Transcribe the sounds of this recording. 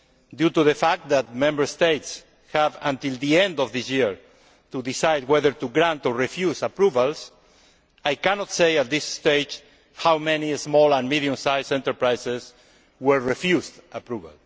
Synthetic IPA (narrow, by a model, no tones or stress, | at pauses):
d̪jut̪uðefak̚t̪̚d̪at̪̚mɛ̃mbəɾst̪ejt̪s | havãnt̪ild̪iɛ̃nd̪ɔvðisjiɹ | t̪uðisajd̪wɛðəɾt̪uɡɾãnt̪oɹefjusapɾuvals | ajkanɔt̪sejat̪̚d̪isst̪ejd͡ʒ | hawmɛ̃niezmɔlãnmiðjũmsajsɛ̃nt̪əɾpɾajses | wɛɹɹefjuzdapɾuva̰l